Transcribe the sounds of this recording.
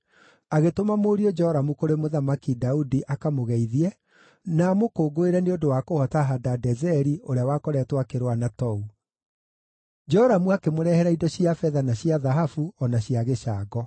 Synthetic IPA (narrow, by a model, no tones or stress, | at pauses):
aɣetomamoːɾiɔd͡ʒɔɔɾamukoɾemoðamakidaudiʔakamoɣɛiðiɛ | namokoːɡoeɾɛneodowaːkohɔtaɦadadɛzɛɾioɾeawakoɾɛtwakeɾwanatɔu | d͡ʒɔɔɾamuakemoɾɛhɛɾaidɔɕiafɛðanaɕiaðaɦafuɔnaɕiaɣeɕaːɡɔ